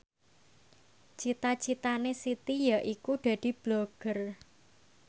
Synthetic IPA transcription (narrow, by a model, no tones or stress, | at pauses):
t͡ʃit̪ḁt͡ʃit̪anesit̪ijaʔikuɖ̪̥a̤d̪̥i̤b̥loɡ̥ər